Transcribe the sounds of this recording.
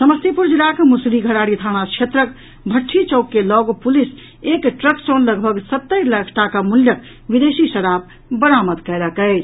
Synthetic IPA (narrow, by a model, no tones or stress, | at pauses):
səməst̪ipuɾd͡ʒilakmusɾiɡʱəɽaɽit̪ʰañakt͡ʃʰet̪ɾək̚ | bʱəʈʰːit͡ʃɔʊkːelɔɡopulis | ekʈɾəksɔnləɡbʱəɡsət̪ːəjləkʰʈakamuljək̚ | bid̪esisəɽab̚ | bəɾamət̪kəjɾəkəɪt͡ʃʰ